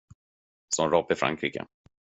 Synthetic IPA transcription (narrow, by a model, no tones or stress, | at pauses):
sɔnɾɔpːɪfɾa̰ŋkʰɾiːkə̰